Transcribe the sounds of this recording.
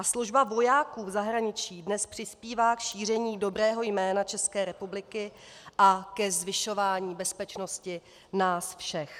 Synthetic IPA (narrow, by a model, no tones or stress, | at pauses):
asluʒbavo̞jaːkuːvzaɦɾaɲɪt͡ʃiːdnɛspr̥ɪspiːvaːkʃiːr̝ɛɲiːdo̞bɾɛːɦo̞jmɛːnat͡ʃɛskɛːɾɛpublɪkɪ | ʔakɛzvɪʃo̞vaːɲiːbɛspɛt͡ʃno̞scɪ | naːsfʃɛx